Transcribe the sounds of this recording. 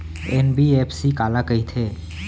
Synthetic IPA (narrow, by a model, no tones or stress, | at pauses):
ḛnbiepʰsikaːlakəɦit̪ʰe